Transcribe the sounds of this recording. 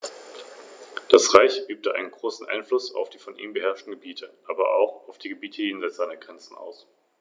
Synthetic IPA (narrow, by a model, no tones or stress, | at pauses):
d̥asʁaɪçʔyːp̚təʔa̰ɪnənɡʁoːsn̩ʔa̰ɪnflʊsa̰ʊfd̥iːfɔnʔḭːmbəɦɛɐʃtn̩ɡəbiːtʰəʔaːbɐʔa̰ʊxaʊfd̥iːɡəbiːtʰəjeːnzaɪsz̥aɪnəɡʁɛnt͡sn̩a̰ʊs